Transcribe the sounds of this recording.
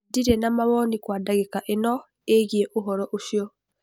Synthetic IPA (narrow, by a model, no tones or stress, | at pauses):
diɾenamaβɔnikwaːdaɣekaʔenɔ | eɣieʔoɦɔɾɔʔoʃjɔ